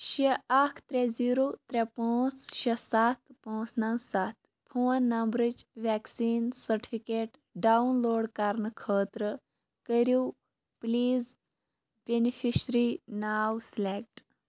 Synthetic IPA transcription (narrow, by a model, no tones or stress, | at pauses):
ɕeakʰt̪ɾed͡ziːɾot̪ɾepõwt͡sʃesat̪põːsnawsat̪ | pʰuːɐnːɐmbɾid͡ʒʋɛksiːnsəɾʈi̥fʰikeʈ | ɖaunloːɽkaɾnəkʰəːt̪ɾə | kəɾiw | pliːz | benifʰiɕɾinaːwslek̚ʈ